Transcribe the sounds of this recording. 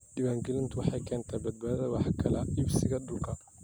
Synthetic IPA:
dɪβaːŋɡɛlɪnt̪ʰʊwɑħɑjkʰɛːnt̪ʰaːbɐd̪̚baːðɐwɑħkʰɐlɐʔɪbsɪɣɐd̪ʊlkʰɐ

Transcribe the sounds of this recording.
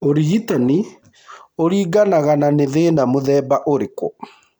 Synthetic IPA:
oɾiɣitani | oɾiːɡanaɣananeðeːnamoðɛːbaʔoɾekwɔ̰

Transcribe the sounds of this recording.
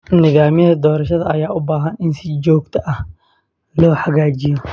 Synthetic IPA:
nɪðaːmɪjɐðɐd̪ɔːɾɐʃɐðɐɐjaːʔʊbaːɦɐnɪnsɪd͡ʒɔːɡt̪ʰɐʔɐh | lɔːħɐɣaːd͡ʒɪjɔ

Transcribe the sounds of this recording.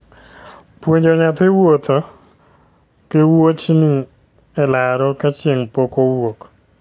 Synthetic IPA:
pwoɲd͡ʒoɲat̪ɪwot̪ʰo | kɪwot͡ʃnɪ | ɛlaɾɔkat͡ʃjeŋpokowok

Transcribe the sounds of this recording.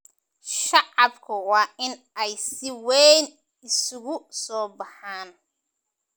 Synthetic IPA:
ʃɑʕɑbkʰɐwɑːʔɪn | ɛjsɪwɛjn | ɪsʊɣʊsɔːbɑħaːn

